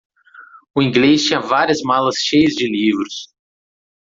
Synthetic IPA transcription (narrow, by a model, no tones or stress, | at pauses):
ʊĩŋɡlest͡ʃĩɲɐvaɾiɐzmalɐsʃejɐzd͡ʒɪlivɾʊs